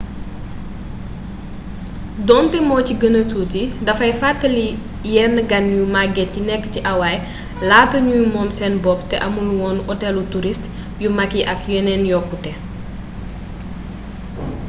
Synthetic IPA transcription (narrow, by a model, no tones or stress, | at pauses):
dɔːntɛmɔːciɡənɐtuːtidɐfɐjfatːəli | jɛnːəɡɐnjumaɡɛtːinɛkːə̥ciʔɐwaj | laːtɐɲujumɔːmsɛnbɔptɛʔɐmunwɔːnʔɔtɛlutuɾist | jumɐkiʔɐkjɛnɛnjɔkːutɛ